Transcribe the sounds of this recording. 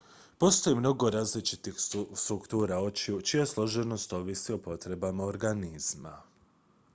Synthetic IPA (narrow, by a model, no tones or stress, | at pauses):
po̞st̪o̞jemno̞ɡo̞ɾaːzlit͡ʃit̪ixst̪ɾukt̪uːɾao̞t͡ʃiut͡ʃijaslˠo̞ʒeno̞st̪o̞ʋisiopo̞t̪ɾe̞bamao̞ɾɡaniz̥ma̰